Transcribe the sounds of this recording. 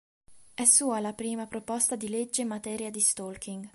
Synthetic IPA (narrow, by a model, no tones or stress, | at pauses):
ɛsːuːalapɾiːmapɾopɔst̪ad̪iled͡ʒːemːat̪ɛːɾjad̪ist̪olkʰiŋɡ